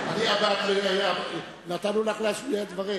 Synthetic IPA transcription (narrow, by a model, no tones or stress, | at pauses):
aniad̪at̪liaja | nat̪anolaχleaʃied̪vaʁi